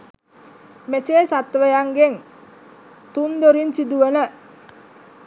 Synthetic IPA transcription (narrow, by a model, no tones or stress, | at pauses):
met͡ʃesat̪ːʋəjaŋɡeŋ | t̪und̪oɾinsid̪uənə